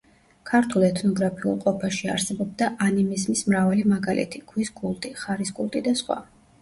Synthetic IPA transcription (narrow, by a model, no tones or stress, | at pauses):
kʰaɾt̪ʰulˠɛt̪ʰnɔɡɾapʰiṵlˠqʼɔpʰaʃia̰ɾsɛbɔb̚d̪aʔanimizmismɾavalimaɡalɛ̰t̪ʰiɡ̥ʰwisɡʼulˠt̪ʼiχaɾisɡʼulˠt̪ʼid̪asχwa̰